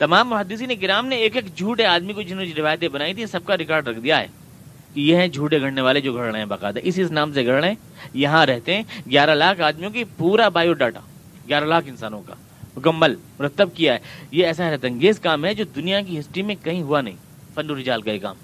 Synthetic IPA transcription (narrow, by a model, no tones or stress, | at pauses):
t̪ɐmaːmːʊɦəd̪ːɪsineɡɪɾaːmneeːkeːkd͡ʒʱuːʈeaːd̪mikod͡ʒɪnd͡ʒiɾɪʋaːjt̪ẽbɐnaːit̪ʰisɐb̚kaɾɪkaːɾɖɾɐkʰd̪ijaɦɛ̰ː | kijeɦɛ̃d͡ʒʱuːʈeɡʱɐɽneʋaːled͡ʒoːɡʱɐɽɽ̃ẽɦɛ̃bɐqaːd̪aʔɪsɪsnaːmseɡʱɐɽɽ̃ẽː | jɐɦãɾɛɦt̪eɦɛ̃ɡjaːɾalaːkʰaːd̪mijõkipuːɾabaːjoɖaːʈa̰ː | ɡjaːɾalaːkɪnsaːnõka̰ | mʊkɐmːəlmʊɾət̪ːəb̚kijaɦɛ̰jeɛːsaɦɾt̪ɐ̃ŋɡeːzkaːmɦɛd͡ʒoːd̪ʊnijak̬iɦɪsʈɾimẽkɐɦĩɦʊanɐ̰ɦḭ̃ː | fɐ̃nɖoɾɪd͡ʒaːlkajeːka̰ːmɦ